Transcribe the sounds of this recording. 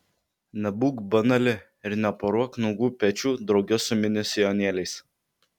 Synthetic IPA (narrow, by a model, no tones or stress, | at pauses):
nʲɛbuːkbɐnɐlʲɪ | ɪɾnʲɛpɐɾuɔknʊɡuːpʲɛt͡ʃʲuːd̪ɾɒʊɡʲɛsʊmʲɪnʲɪsʲɛjɔnʲeːlʲɛɪs